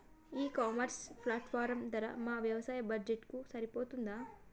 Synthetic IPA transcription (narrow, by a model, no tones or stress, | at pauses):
iːkaːmɐɾspʰlaːʈfʰaːɾɐmd̪ɐɾɐ̰maːʋjɐʋɐsaːjɐbɐd͡ʒd͡ʒeʈkusɐɾipoːt̪und̪aː